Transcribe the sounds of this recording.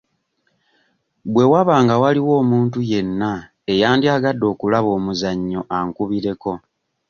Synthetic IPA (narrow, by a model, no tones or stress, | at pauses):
bwe̞waβaːŋɡawaliwo̞ːmuːntuje̞nːa | ejaːndiaːɡadːo̞ːkulaβo̞ːmuzaɲːo̞ʔaŋkuβiɾe̞ko̞